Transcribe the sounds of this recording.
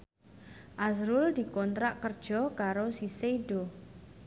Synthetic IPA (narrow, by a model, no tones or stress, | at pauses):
ʔazɾʊld̪̥i̤kɔnt̪ɾaʔkərd̥ʒ̥ɔ̤kaɾosiseiɖo